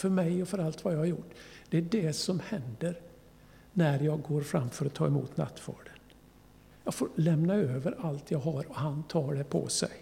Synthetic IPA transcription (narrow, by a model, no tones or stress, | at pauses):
fœɾmɛjɔfœɾalt̪vajɑːhaɾjʊʈːd̪̥ɛæɖɛsɔmhɛnd̪əɾ | næɾjɑːɡɡoːɾfɾamːfœɾɔt̪ʰɑːɛmṵːt̪na̰t̪ːvɑ̰ːɖən | jɑːɡfoɾlɛmnaøːvəɾalt̪ʰjɑːɡɦaɾɔhant̪ʰɑːɖɛpʰɔ̰sɛ̰j